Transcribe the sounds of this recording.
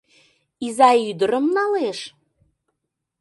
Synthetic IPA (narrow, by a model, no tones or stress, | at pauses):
izɑyd̪əɾəmnɑleʃ